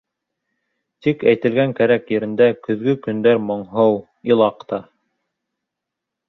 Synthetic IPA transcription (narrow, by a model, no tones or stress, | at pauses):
t̪ikæjt̪ɘ̆lɡæŋkæɾækjɘ̆ɾɘ̆nd̪ækɵ̆ðɡɵkɵ̆nd̪æɾmŏɴɦɤw | ilˠɑqt̪ɑ